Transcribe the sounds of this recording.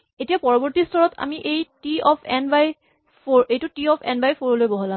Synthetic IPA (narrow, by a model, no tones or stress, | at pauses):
etiapɔɹɔbɔɹtistʰɔɹɔtʰa̰miʔejtiɔpʰɛnbaj | foɹejtutiɔpʰɛ̰nbajpʰoɹolojbɔɦɔla